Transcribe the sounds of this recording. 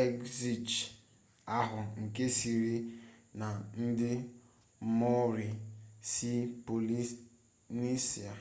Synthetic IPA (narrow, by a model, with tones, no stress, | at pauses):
e˦kzi˨t͡ʃ | a˦ɦʊ˨ŋ̩˨ke˦si˨ɾi˦na˨n̩˦dɪ˦ | mɔ˦ɾi˨si˦po˨li˦ | ni˦si˨a˨